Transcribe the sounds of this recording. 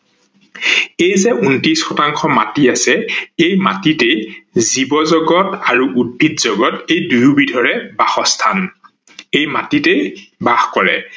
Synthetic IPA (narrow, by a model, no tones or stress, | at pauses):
ejzɛʔuntisxɔtaŋxɔma̰tiasɛejma̰titejzibɔzɔɡɔtaɹuʔud̚bʱitzɔɡɔtejdujubidʱɔɹɛbaxɔstʰan | ejmatitejbaxkɔɹɛ̰